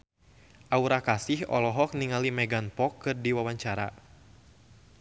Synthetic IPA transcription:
ʔauɾakasɪhɔ̰lɔɦɔk̚niŋalimɛɡanpɔkːɨrdiwawaɲt͡ʃaɾa̰

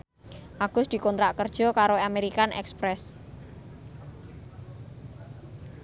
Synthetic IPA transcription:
ʔaɡ̥ʊsd̪̥i̤kɔnt̪ɾaʔkərd̥ʒ̥ɔ̤kaɾoameɾikanʔɛ̰kspɾɛs

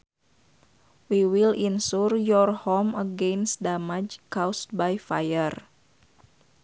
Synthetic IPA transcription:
wiwilinsurjɔrhɔməɡensdamad͡ʒkawst̚bajfa̰jər

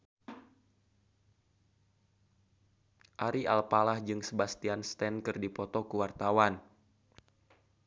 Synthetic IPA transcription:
ʔaɾialpalahd͡ʒɨŋsəbast̪ianst̪ɛnkɨrdipɔt̪ɔkuwart̪awan

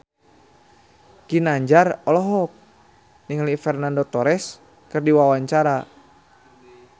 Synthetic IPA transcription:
kinaɲd͡ʒarɔlɔɦɔk̚ | niŋlifɛrnandot̪ɔɾɛs | kɨrdiwawaɲt͡ʃaɾa

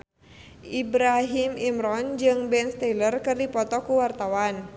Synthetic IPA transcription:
ʔibɾaɦimimɾɔnd͡ʒɨŋbɛnst̪ɛlərkɨrdipɔt̪ɔkuwart̪awan

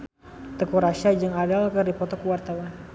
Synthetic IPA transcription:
t̪əkuɾaʃiad͡ʒaŋadalkərdipɔt̪ɔkuwart̪awan

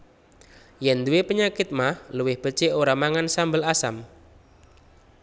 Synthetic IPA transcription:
jɛnd̪uwepəɲakɪt̪̚mahluwɪhb̥ət͡ʃeoɾamaŋansambəlasam

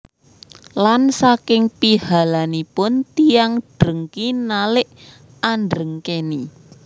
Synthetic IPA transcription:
lansakɪŋpihalanipʊnt̪ijaŋɖ̥ɾəŋkinalɪʔ | anɖɾəŋkeni

